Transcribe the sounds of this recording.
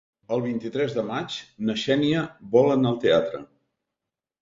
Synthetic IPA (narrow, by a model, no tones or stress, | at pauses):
əlˠβ̞int̪it̪ɾɛzðəmat͡ʃnəʃɛniəβɔlənəlˠt̪eat̪ɾə̰